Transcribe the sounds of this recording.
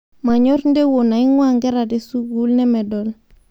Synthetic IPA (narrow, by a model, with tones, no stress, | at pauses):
ma˨ɲɔ˦ɾnde˦wo˨na˨i˦ŋwaŋɡɛ˦ɾa˨de˨su˦ɡu˦lnɛ˦mɛ˨dɔ˨l